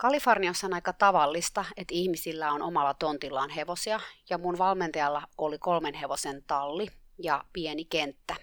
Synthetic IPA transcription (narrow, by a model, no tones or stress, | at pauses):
kɑliforniosːɑnɑikɑt̪ɑʋɑlːist̪ɑet̪ihmisilːæonʔomɑlːɑt̪o̞nt̪ilːɑːnɦeʋosiɑjɑmunʋɑlment̪ɑjɑlːɑolikolmenɦe̞ʋosent̪ɑlːijɑpienikent̪ːæ